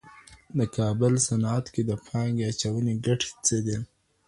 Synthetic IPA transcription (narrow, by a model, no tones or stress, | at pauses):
d̪əkʰɑbəlsanat̪ked̪əpʰɑŋɡeat͡ʃawəneɡaʈʰe̥t͡səd̪e